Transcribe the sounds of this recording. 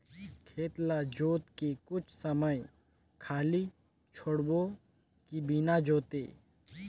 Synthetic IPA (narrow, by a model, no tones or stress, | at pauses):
kʰeːt̪lad͡ʒoːt̪kikʊt͡ʃʰsəməj | kʰaːli | t͡ʃʰoɽbo | kibinad͡ʒoːt̪ḛː